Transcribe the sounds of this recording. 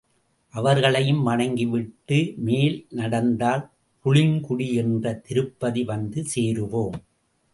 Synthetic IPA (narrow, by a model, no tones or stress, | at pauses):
ʔɐʋɐɾɣɐɭɐjɯmʋɐɳɐŋɡɪʋɪʈːɯmeːlnɐɽɐnd̪aːl | pʊɭɪŋkʊɽiɛndrɐt̪ɪɾɯpːɐðiʋɐnd̪ɯseːɾɯʋoːm